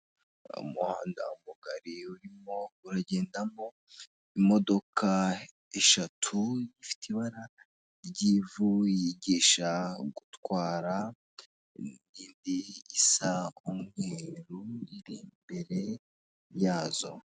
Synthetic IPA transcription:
ṵmuha̰ːnda̰umuɡaɾiuɾimo̞uɾaɟe̞ːndamo̞ | imo̞do̞kʰa | e̞ʃatʰujifi̥tʰiβaɾa | ɟivujiɟiːʃaɡutwaːɾa | niːndiːsaumŋeːɾuiɾimbe̞ɾe̞ | jaːzo̞̰

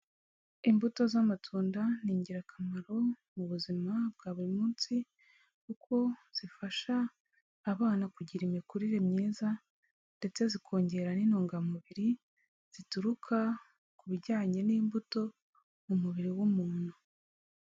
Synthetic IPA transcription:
imbuto̞zamatʰuːndaniːɲɟiɾakʰamaɾo̞ | muβuzimab̚ɡaːβuɾimuːnt͡si | kukʰo̞z̥ifaʃaː | βaːnakuɟiɾimikuɾiɾemɲiːza | nde̞t͡se̞zikʰo̞ːɲɟe̞ɾaninoːŋɡamuβiɾi | z̥ituɾukʰa | kuβiɟaːɲe̞niːmbuto̞ | mumuβiɾiwumuːn̥hu

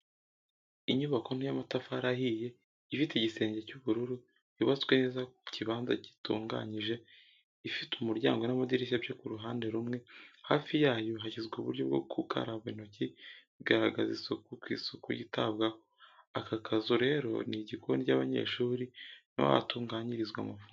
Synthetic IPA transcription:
iɲuβako̞n̥ijamatafaɾahije̞ | ifiteiɟise̞ːɲɟecuβuɾuɾu | jiβat͡swe̞neːzakociβaːnza̰ɟi̥tṵːŋɡa̰ɲiʒe̞ | ifitumuɾɟa̰ːŋɡo̞namadiɾiʃ̬abjokuɾuɦaːnde̞ɾumŋe̞haːfijaːjoɦaçizɡuβṵɾɟo̞b̚ɡo̰kʰukʰa̰ɾaβen̥oci | iɡaɾaɡazisokukwḭːsokujitaβɡakoakakʰazuɾe̞ɾo̞̰niɟikonicaːβaɲe̞̰ʃuːɾino̰wa̰tuːŋɡaːɲiɾizɡwa̰mafuŋa

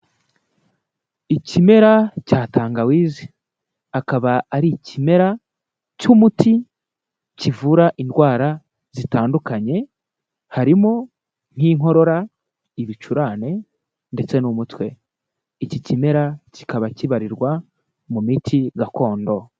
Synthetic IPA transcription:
icime̞ɾacaːtaːŋɡawiːzi | akaβaːɾicime̞ɾa | cumuti | civuɾaʔindɡwaːɾa | z̥itaːndukaɲe̞ | haɾimo | n̥hiːŋo̞ɾo̞ɾa | iβit͡ʃuɾaːne̞ | nde̞t͡se̞numutwe̞ | icicime̞ɾaci̥kaβaciβaɾiɾɡwa | mumitʰiɡako̞ːndo̞

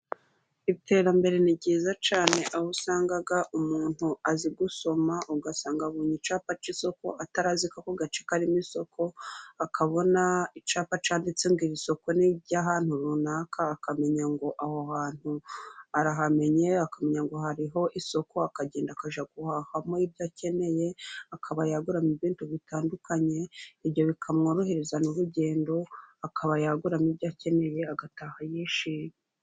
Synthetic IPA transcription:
iβite̞ɾambe̞ɾenibɟiːzat͡ʃaːne̞ʔahusaːŋɡaɡaʔumuːn̥huaziɡuso̞maʔuɡasaːŋɡaβuːɲit͡ʃaːpat͡ʃiso̞ko̞̰ataɾazikako̞ɡat͡ʃe̥kaɾimiso̞kʰo̞akʰaβo̞nait͡ʃaːpat͡ʃaːndit͡se̞ŋɡiɾiso̞ko̞niɟaːɦaːn̥huɾunaːkʰaːkame̞ɲaŋɡo̞ʔahohaːn̥huaɾaɦame̞ɲe̞akame̞ɲaŋɡo̞ɦaɾiɦo̞ʔiso̞ko̞akaɟe̞ːndakaʒaɡuhahamoibɟaːce̞ne̞je̞akʰaβajaɡuɾamiβiːntuβitaːndukaɲe̞iβjo̞βikʰamŋoɾoɦeɾezanuɾuɟe̞ːndo̞akʰaβajaɡuɾamibɟaːce̞ne̞je̞aɡatahajeːʃi

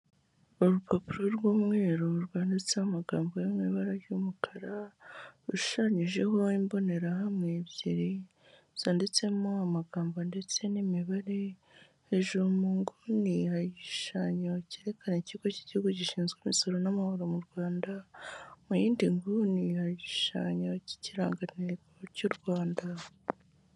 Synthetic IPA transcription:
oɾupʰapuɾoɾɡwoːmŋeːɾoɾɡwaːndet͡semaɡaːmbojimŋiβaɾajumukʰaɾaɾuʃu̥ʃaɲiʒe̞ho̞imbo̞ne̞ɾahamŋebjeɾi | z̥aːnde̞t͡se̞moamaɡaːmbonde̞t͡se̞nimiβaɾe̞ | heʒuɾumuːŋɡunihajiʃaɲaceɾe̞kʰaneciɡociɟihuɡuciʃiːnzɡemiso̞ɾo̞namahoɾomuɾɡwaːndamujiːndiŋɡunihajiʃaɲaci̥ciɾa̰ːŋɡaneɾɡɡocuɾɡwaːnda

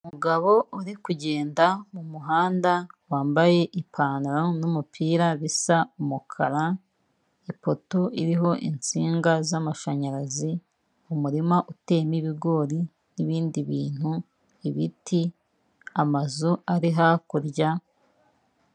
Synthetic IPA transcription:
umuɡaβo̞uɾikuɟe̞ːndamumuɦaːndawaːmbaje̞ʔipʰaːnɾonumupʰiːɾaβisaumukʰaɾa | ipo̞tuiɾiɦo̞ʔint͡siːŋɡazamaʃaɲaɾazi | umuɾimaʔute̞ːmiβiɡo̞ːɾi | niβiːndiβiːn̥hu | iβiti | amazuaɾiɦakuɾɟa

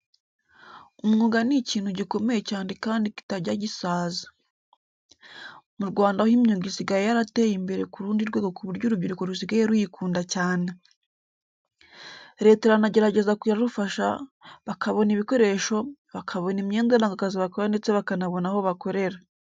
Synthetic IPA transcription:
umŋuːɡaniciːn̥huɟiko̞mejecaːnekaːndiki̥taɟaɟisaːzḁ | muɾɡwaːndahimɲoɡisiɡajejaɾate̞ːjimbe̞ɾe̞kuɾuːndiɾɡwe̞ːɡo̞kuβuɾɟoɾubiɾuko̞ɾusiɡajeɾujikuːndacaːne | ɾe̞ːteɾanaɟe̞ɾaɟe̞zakiaɾufaʃa̰βakʰaβo̞niβiko̞ɾe̞ʃo̞βakʰaβo̞nimɲeːndenaŋɡakaziβakoɾande̞t͡se̞βakanaβo̞naho̞βako̞ɾe̞ɾa

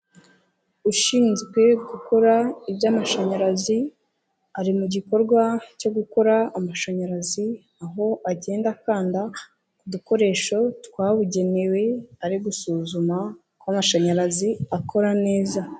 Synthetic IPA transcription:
uʃiːnzɡwe̞ɡuko̞ɾaibjamaʃaɲaɾazi | aɾimuɟiko̞ɾɡwaco̞ɡuko̞ɾaːmaʃaɲaɾazi | aɦo̞aɟe̞ːndakaːnda | kuduko̞ɾe̞ːʃo̞twaːβuɟe̞ne̞we̞aɾiɡusuːzuma | kwamaʃaɲaɾaziakʰo̞ɾane̞ːza

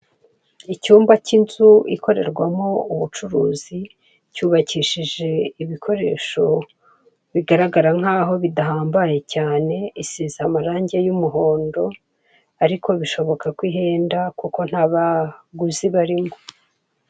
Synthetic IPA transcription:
icuːmbacinzuḭko̞ɾe̞̰ɾɡwamouβut͡ʃuɾuːzi | cuːβaciʃiʒe̞iβikʰo̞ɾe̞̰ːʃo̞ | βiɡaɾaɡaɾaŋ̥aːɦo̞βidaɦaːmbaje̞caːne̞isiːzamaɾaːɲɟe̞jumuɦo̞ːndo̞ | aɾiko̞βiʃo̞βo̞kakwiɦe̞ːndakuko̞n̥haːβaɡuziβaɾimo

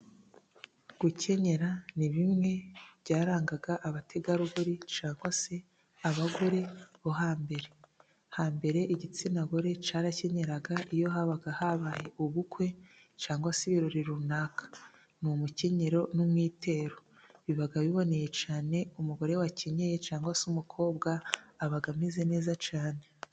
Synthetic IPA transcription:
ɡ̥uce̞ɲe̞ɾaniβimŋe̞βjɟaːɾaːŋɡaɡaʔaβatʰe̞ɡaɾuɡuɾit͡ʃaːŋɡwase̞ | aβaɡo̞ɾe̞βoɦaːmbe̞ɾe̞ | haːmbe̞ɾe̞ʔiɟit͡sinaɡo̞ɾe̞t͡ʃaɾace̞ɲe̞ɾaɡaʔijo̞ɦaβaɡahaβajeʔuβukwe̞ | t͡ʃaːŋɡwasiβiɾoɾiɾunakḁ | numuce̞ɲe̞ɾo̞numŋiːtʰe̞ːɾo | βiβaɡaβiβo̞ne̞je̞t͡ʃaːne̞umuɡo̞ɾe̞waceɲejet͡ʃaːŋɡwasumukʰo̞ːbɡaːβaɡamizene̞ːzat͡ʃaːne̞

